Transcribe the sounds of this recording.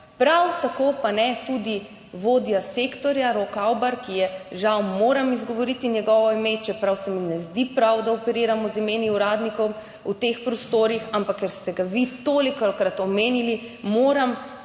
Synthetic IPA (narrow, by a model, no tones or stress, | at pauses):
pɾawt̪akopanɛt̪ud̪i | ʋoːd̪jaseːkt̪ɔɾjaɾokawbaɾkijɛʒawmoːɾamizɡɔʋɔɾit̪injɛɡɔːʋɔimet͡ʃɛpɾawsɛminɛzd̪ipɾawd̪aɔpɛɾiːɾamɔzimeːniuɾaːd̪nikɔw | ut̪expɾɔst̪oːɾixampakːɛɾst̪ɛɡaʋit̪oːlikɔkɾat̪ɔmeːnili | moːɾam